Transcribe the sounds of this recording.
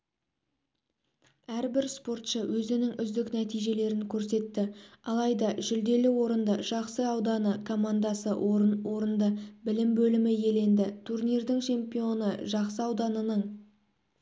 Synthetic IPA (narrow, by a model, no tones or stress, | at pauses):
æɾbɪɾspo̞rt̪ʃəwʔɵzɪnɪŋʏzd̪ɪknæt̪ijʒe̞le̞ɾɪŋkʲʰɵɾse̞t̪ːɪɑlˠɑjd̪ɑʒʏld̪e̞lɪwo̞ɾənd̪əʒ̥ɑqsəɑwd̪ɑnəkʰo̞mand̪ɑsəɾwo̞ɾənd̪əbɪlɪmbɵlɪmɪje̞le̞nd̪ɪt̪ʰurnijɾd̪ɪŋt͡ʃʰe̞mpijo̞nəʒɑqsəɑwd̪ɑnənəɴ